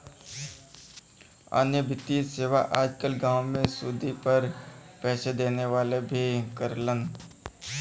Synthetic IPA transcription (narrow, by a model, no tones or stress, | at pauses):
a̰ːnjəbʱɪt̪iseːʋaʔaːd͡ʒkəlɡãːʋmẽsuːd̪ipəɾpɛːʃed̪eːneʋaːlebʱikəɾlən